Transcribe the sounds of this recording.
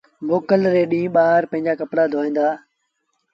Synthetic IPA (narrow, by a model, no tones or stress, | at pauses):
boːkəlɾeːɗĩːɓaːɦəɾpə̃ɦɪ̃ɲd͡ʑaːkəpɽaːd̪ʱoːĩːnd̪aː